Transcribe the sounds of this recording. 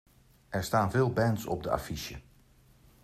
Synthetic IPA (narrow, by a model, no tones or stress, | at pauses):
ʔɛɹstaːnveːlˠbɛntsɔ̰p̚dəa̰fiʃjə̰